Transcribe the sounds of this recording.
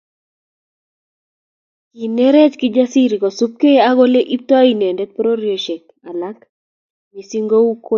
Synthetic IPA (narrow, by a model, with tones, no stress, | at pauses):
ki˨ne˦ɾɛ˦t͡ʃkɪ˦d͡ʒa˦si˦ɾi˨kɔ˨su˦p̚ke˦a˦ɡɔ˦le˦ʔi˦p̚t̪wa˦i˨ne˨ndɛ˦t̪̚pɾo˦ɾio˨ʃe˨k̚ | a˨la˦k | ɲi˨si˦ŋɡo˦u˦kʰo˦